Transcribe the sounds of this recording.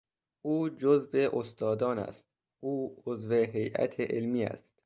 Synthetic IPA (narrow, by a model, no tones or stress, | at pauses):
ʔuːd͡ʒozveʔost̪ɒːd̪ɒːnæ̰st̪ | ʔuːozve̞ɦejʔæ̰t̪ʰeʔelmiːæ̰st̪̚